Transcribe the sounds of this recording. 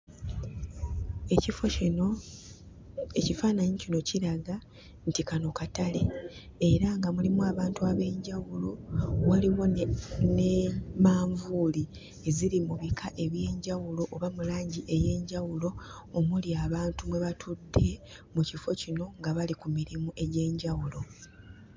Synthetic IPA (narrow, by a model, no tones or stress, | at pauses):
ecifoino | e̞cifaːnaɲicino̞ciɾaɡa | ntikano̞katale̞ | e̞ɾaŋɡamulimuaːβaːntuaβe̞ːɲɟawulo̞waliwo̞nemaːɱvuːli | e̞ziɾimuβikʰaʔe̞βje̞ːɲɟawulo̞ʔoβamulaːɲɟiʔe̞je̞ːɲɟawulo̞ː | muliaβaːntumwe̞βatʰudːe̞mucifo̞cino̞ŋɡaβalikumiɾimuʔe̞ɟe̞ːɲɟawulo̞